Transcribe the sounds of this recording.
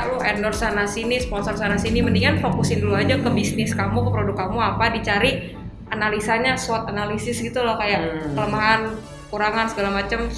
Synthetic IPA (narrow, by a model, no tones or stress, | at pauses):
ʔlʊhɛndɔrsanasinispɔnsɔrsanasiniməndiŋanfokusɪnduluad͡ʒakəbisnɪskamukəpəɾodʊkamuapadit͡ʃaɾi | analisaɲasuat̪analisɪsɡit̪ulɔhkajakələmaɦan | kuɾaŋansəɡalamat͡ʃəm